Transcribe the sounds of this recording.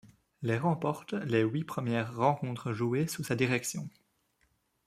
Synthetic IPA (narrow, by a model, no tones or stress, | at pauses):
leʁɑ̃pɔʁt̪lewipχəmjɛʁːɑ̃kɔ̃t̪χəʒuesusad̪iʁɛksjɔ̃